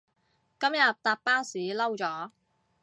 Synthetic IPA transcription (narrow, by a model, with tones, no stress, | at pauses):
kɐ˥mjɐ˨p̚t̪aː˨˧p̚pːaː˥siː˨˥lɐ˥wt͡sɔː˨˥